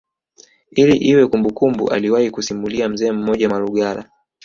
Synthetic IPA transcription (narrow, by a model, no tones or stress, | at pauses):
iliʔiwɛkumbukumbṵʔa̰liwahikusimuliam̩zɛːm̩mɔʄamaluɠala̰